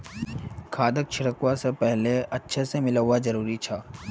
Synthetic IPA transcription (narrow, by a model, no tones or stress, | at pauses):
kʰaːd̪ək̚t͡ʃʰɪɽəkwasepɛɦleʔɐtːʃʰesemɪləwazɐɾuːɾit͡ʃʰaː